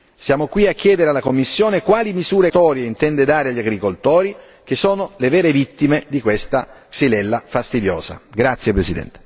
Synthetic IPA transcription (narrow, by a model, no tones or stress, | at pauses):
sjaːmokwiakːjɛːd̪eɾealːakomːisːjoːnekwaːlimizuːɾet̪ɔːɾjeint̪ɛnd̪ed̪aːɾeaʎːaɡɾikolt̪oːɾi | k̟esːoːnolevɛːɾevit̪ːimed̪ikwest̪aksilɛlːafast̪id̪jo̰ːza̰ɡɾat̪sːjepɾesid̪ɛ̰nt̪e̥